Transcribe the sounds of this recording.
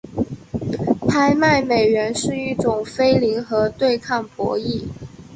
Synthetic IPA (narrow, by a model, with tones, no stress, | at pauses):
pʰa˥ɪma˥˩ɪme˨˩ɪɥɛ˧˥nʂɻ̩˥˧i˥˩ʈ͡ʂʊ˨˩ŋfe˥ɪli˧˥ŋxɤ˧˥t̪we˥˧ɪkʰɑ˥˩ŋpwɔ̰˧˥i˥˩